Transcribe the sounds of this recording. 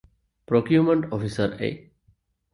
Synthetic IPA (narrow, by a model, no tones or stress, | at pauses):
pɾokjumə̃ɳʈɔfisəɾḛ